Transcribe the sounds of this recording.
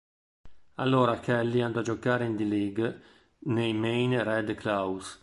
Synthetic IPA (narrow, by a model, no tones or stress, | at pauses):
a̰lːoːɾakɛlːiand̪ad͡ʒɔkaːɾeind̪iliɡ | nejmejnrɛd̪klaws